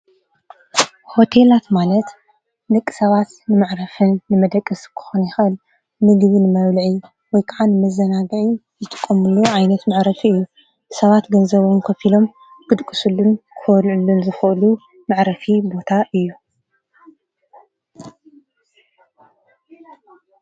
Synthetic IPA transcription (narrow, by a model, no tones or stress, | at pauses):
ho̞t̪ʰe̞lat̪malɐt̪ | d̪ɐkʼːɨ̥sɐβat̪nɨmaʕɾɐfɨnːɨmɐd̪ɐkʼːɨskʰɨ̥xonjɪxɨʔɨl | nɨɡβinɨmɐβlʕi | wɔjkʰaʕanɨmɐzɐnaɡɨʕi | zɨt̪ʼɨ̥kʼːɐmuluʕajnɐt̪mɐʕɾɐfiɨjːu | sɐβat̪ɡɐnzɐβomkʰɐfilo̞m | kɨd̪kʼɨsulːunkʰɨɐlʕulːunzɨxɨʔlu | maʕɾɐfibo̞t̪ʰaʔɨjːu